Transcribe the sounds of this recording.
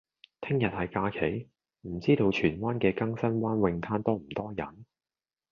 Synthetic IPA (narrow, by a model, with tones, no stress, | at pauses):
t̪ʰɪ˥ŋjɐ˨t̚hɐ˨jkaː˧kʰe˨˥j | m̩˨˩t͡siː˥t̪o˧wt͡ʃʰyː˨˩nwaː˥nkɛː˧kɐ˥ŋsɐ˥nwaː˥nwɪ˧ŋt̪ʰaː˥nt̪ɔː˥m̩˨˩t̪ɔː˥jɐ̰˨˩˦n